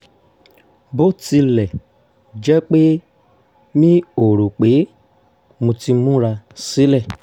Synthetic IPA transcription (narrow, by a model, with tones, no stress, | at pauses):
bo˦ti˧lɛ˨ | d͡ʒɛ˦k͡pe˦ | mĩ˦o˦˨ɾo˨k͡pe˨˦ | mũ˧ti˧mũ˦ɾa˧si˨˦lɛ˦˨